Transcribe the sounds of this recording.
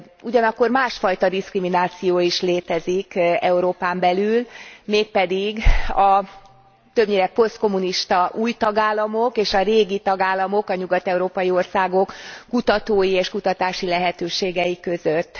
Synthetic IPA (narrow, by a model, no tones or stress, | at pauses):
uɟɒnɒkːo̞rmaːʃfɒjt̪ɒd̪iskriminaːt̪sijoːiʃleːt̪ɛzikɛuɾoːpaːmbɛlylmeːk̚pɛd̪iɡɒ | t̪ø̞bɲiːɾɛpo̞st̪̚ko̞muniʃt̪ɒʔuːjt̪ɒɡaːlːɒmo̞keːʃɒreːɡit̪ɒɡaːlːɒmo̞kɒɲuɡɒt̪ɛuɾoːpɒjio̞rsaːɡo̞kːut̪ɒt̪oːjieːʃkut̪ɒt̪aːʃilɛɦɛt̪øːʃeːɡɛjikø̞zøt̪ː